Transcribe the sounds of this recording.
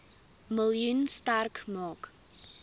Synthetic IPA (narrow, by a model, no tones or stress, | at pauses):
məljunstærkmɑːk